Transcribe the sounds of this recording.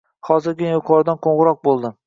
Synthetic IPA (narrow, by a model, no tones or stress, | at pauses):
hɒzɪɾɡʲɪjoqʰɒɾd̪anqʰoɴʁɨɾɒq̚bolˠd̪ɪ